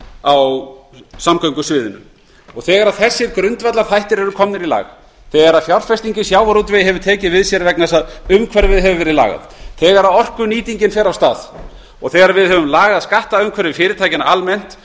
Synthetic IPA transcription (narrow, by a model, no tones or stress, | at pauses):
aw | samkœɥŋkʏsvɪːðʏnʏ̰m | ɔɣθɛːɣaɾaðθɛsːɪɾkɾʏnt̪vɛt̪laɾ̥θajht̪ɪɾɛɾʏkʰɔmnɪɾila̰ːɣ | θɛːɣaɾaðfjawr̥fɛst̪iɲcɪsjaːwvaɾut̪vɛjɦɛvʏɾt̪ʰɛːcɪvɪðsjɛɾvɛknasaðʏmkʰvɛɾvɪðɦɛvʏvɛːɾɪla̰ːɣa̰ð | θɛːɣaɾaðɔr̥kʏniːt̪iɲcɪnfɛɾawst̪aːð̥ | ɔɣθɛːɣaɾaɾvɪðɦɛvʏmlaːɣaðaðskaht̪aʏmkʰvɛɾɪfɪːɾɪt̪ʰaːjcɪnaʔalmɛn̥t̪